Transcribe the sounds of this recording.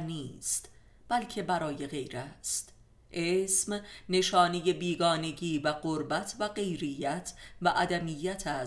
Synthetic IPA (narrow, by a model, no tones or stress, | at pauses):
niːst̪ | b̥ælcʰe̞bæɾɒːje̞ɣe̞jɾæst̪ | ʔesmne̞ʃɒːneje̞biːɡɒːne̞ɟiːvæɣoɾbæt̪ʰvæɢe̞jɾejæt̪ʰvæʔæd̪æmijːæt̪ʰæs